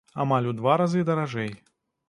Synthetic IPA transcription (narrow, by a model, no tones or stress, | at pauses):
amalʲud̪vaɾazɨd̪ɐɾaʐɛj